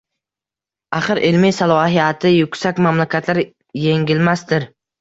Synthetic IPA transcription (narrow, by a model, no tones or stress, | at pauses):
aχɨɾʔɪlmisalˠɒhijat̪ʰɪjʊkʲsakʲmamlakʲat̪ʰlaɾ | je̞ŋɡʲɪlmast̪ɪɾ